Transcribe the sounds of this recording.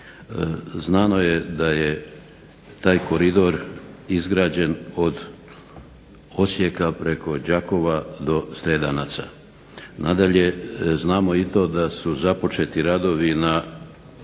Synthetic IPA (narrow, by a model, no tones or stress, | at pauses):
znaːno̞jed̪aje | t̪aːjko̞ɾid̪o̞ɾizɡɾaːd͡ʑe̞no̞d̪ | osje̞kapɾe̞ko̞d͡ʑako̞ʋad̪o̞st̪ɾed̪anat̪sa̰ | nad̪aʎe̞znaːmo̞it̪o̞d̪asuzapo̞t͡ʃe̞t̪iɾad̪o̞ʋina